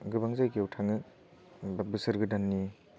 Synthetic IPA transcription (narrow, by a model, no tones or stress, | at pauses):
ɡɯbaŋzajkeawtʰaŋɯ | bbɯsɯɾɡɯdanːi